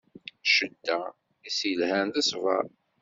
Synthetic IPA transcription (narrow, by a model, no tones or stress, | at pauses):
ʃəd̪ːæ | isilhænt̪æsvæɾ